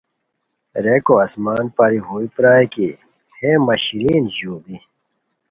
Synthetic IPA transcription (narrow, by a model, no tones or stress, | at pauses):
ɾeːkoɐsmaːnpaːɾiɦuːipɾaːjki | hemɐɕɾiːnʑuːbi